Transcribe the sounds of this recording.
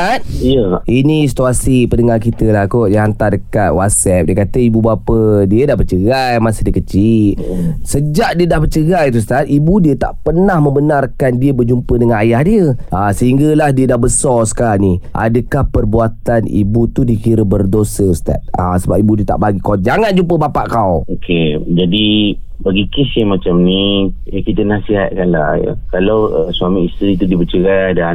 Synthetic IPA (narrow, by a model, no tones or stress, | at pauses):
at̪̚jəinĩsi̥t̪uasipənəŋarkit̪əlakodiəant̪adəkat̪̚wat̪̚sɛp̚diəkat̪əibubapədiədahbərt͡ʃəɡajmasədiəkət͡ʃit̪̚səd͡ʒaʔdiədahbət͡ʃəɡajt̪us̬t̪at̪̚ʔibudiət̪a̰ʔpərnahmə̃mbənarkandiəbərd͡ʒumpədəŋanajahdiəʔasəɦiŋɡəlahdiədahbəsɔsə̥kaaniʔa̰dəkahpərbuat̪anḭbut̪udiəkiɾəbərdosəsə̥t̪a̰t̪̚a̰səbap̚ibudiət̪a̰ʔbaɡikot̪̚d͡ʒaŋand͡ʒumpəbapaʔkawokʰed͡ʒadi | baɡikɪsjamat͡ʃamnijakit̪ənasiɦa̰t̪̚kanla̰ja̰kalawəsuamĩist̪ɾit̪udiəbət͡ʃəɡadan